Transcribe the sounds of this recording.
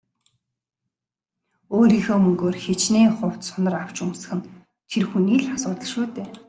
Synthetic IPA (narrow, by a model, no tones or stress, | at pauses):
oːɾiːxoːmɵŋɡoːrxet͡ɕniːŋχʊw̥t̪sʊnə̆raw̥t͡ɕumsə̆χɘ̆n | t̪ʰerxuniːɮasʊːt̪ə̆ɮʃuːt̪eː